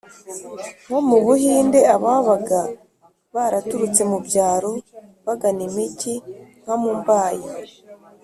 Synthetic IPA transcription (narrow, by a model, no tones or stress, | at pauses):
ŋ̥omuβuhiːnde̞aβaβaɡa | βaɾatuɾut͡se̞mubɟaːɾo̞βaɡanimiciŋ̥amumbaːji